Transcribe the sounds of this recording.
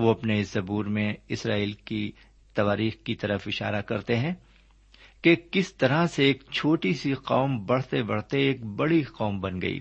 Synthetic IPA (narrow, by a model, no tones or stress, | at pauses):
ʋoɐpneɪszɐbuːɾmẽɪsɾaːiːlki | t̪ɐʋaːɾiːxkit̪ɐɾəfɪʃa̰ːɾakɐɾt̪eɦɛ̃ | kekɪst̪ɐɾaseːkt͡ʃʰoːʈisiqaːmbɐɽ̤t̪ebɐɽ̤t̪eeːkbɐɽiqɔːmbɐnɡɐ̰ḭː